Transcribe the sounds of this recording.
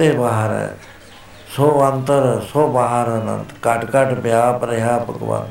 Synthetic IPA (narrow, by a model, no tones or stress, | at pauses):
eːbaːɦəɾɛ̰̃ | soənt̪əɾsoːbaːɦəɾənə̰̃nd̪kəʈkəʈpjaːpɾeɦaːpə̰kʋa̰ːn